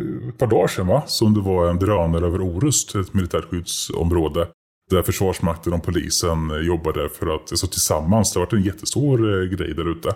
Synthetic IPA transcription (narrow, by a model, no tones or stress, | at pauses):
ɛt̪̚pʰɑːɖɑːʂɛnvasɔmd̪ɛvaɾɛnd̪ɾɑːnəɾøːvəɾuːɾɵst̪ʰɛt̪mɪlɪt̪ʰæːɾɧʏd̪sɔ̰mɾoːd̪ə | d̪æɾfœʂvɑːʂmak̚t̪ʰənɔmpʰʊlḭːsənjɔbːad̪əfœɾat̪jasɑt̪ʰɪlsamːansd̪ɛhavaʈːɛnjɛt̪ʰːə̥st̪uːɾɡɾɛ̰jd̪æɾʉ̟ːt̪ʰə